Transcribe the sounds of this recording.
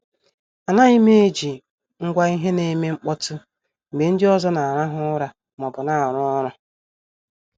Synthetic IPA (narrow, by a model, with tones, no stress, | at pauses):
a˨na˦i˦me˦e˦d͡ʒi˨ | ŋ̩˦ɡʷa˦i˦ɦe˦ne˨˦me˦ŋ͡m̩˦k͡pɔ˦tʊ˦ | m̩˨me˨n̩˦dɪ˦ɔ˦zɔ˦na˨a˨ɾa˦ɦʊ˦ɾa˨ | mɔ˨bʊ˨na˨a˨ɾʊ˦ɔ˦ɾʊ˨